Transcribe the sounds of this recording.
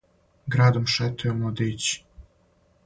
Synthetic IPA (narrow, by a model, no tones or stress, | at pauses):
ɡɾad̪omʃɛt̪ʰːemod̪et͡ɕ